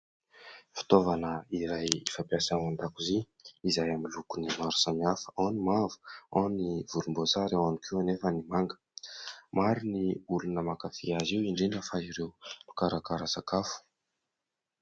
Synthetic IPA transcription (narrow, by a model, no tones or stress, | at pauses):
fi̥t̪ovanəiɾajifapiasaand̪akuzi | izajamilukunimaɾu̥samiafə̥onimavu̥oniv̥ulumbozaɾewanikʰiwanefənimaŋɡə̥ | maɾuniulunəmakafiaziwiɳɖ͡ʐinəfaiɾewlu̥kaɾakaɾasakafu̥